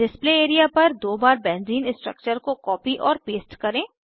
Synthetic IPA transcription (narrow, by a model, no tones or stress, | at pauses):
ɖɪspleːeːɾijapɐɾd̪oːbaːɾbɛ̃ːnziːnɪ̃sʈɾə̰k̚t͡ʃəɾkokɔːpiʔɔːɾpeːsʈkɐɾẽː